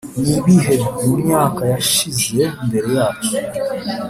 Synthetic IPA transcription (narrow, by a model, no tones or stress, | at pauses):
niβiɦeɾimumɲaːkajaʃize̞mbe̞ɾe̞jaːt͡ʃo